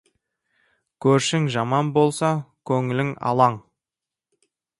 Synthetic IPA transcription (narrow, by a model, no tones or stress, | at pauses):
kʲʰɵɾʃɪŋʒɑmɑnbo̞lˠsɑkʲʰɵŋɪlɪŋɑ̰lˠɑɴ